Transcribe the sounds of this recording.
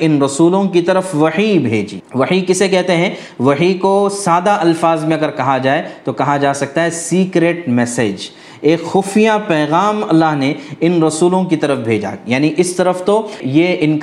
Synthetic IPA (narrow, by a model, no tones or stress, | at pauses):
ɪnɾɐsuːlõkit̪ɐɾəfʋɐħibʱeːd͡ʒḭːʋɐħikɪsekɛɦt̪eɦɛ̃ | ʋɐɦikosaːd̪aʔɐlfaːzmẽɐɡəɾkɐɦad͡ʒaːet̪okɐɦad͡ʒaːsɐk̚t̪aɦɛsiːkɾeːʈmɛseːd͡ʒ | eːkxʊːfijapɛːɣaːmɐlːaːɦneɪnɾɐsuːlõkit̪ɐɾəfbʱeːd͡ʒa̰jaːniʔɪst̪ɐɾəft̪ojeʔɪnk